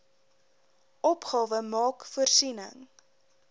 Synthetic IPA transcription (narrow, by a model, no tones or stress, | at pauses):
ʔɔpχɑːvəmɑːkfuərsinə̰ŋ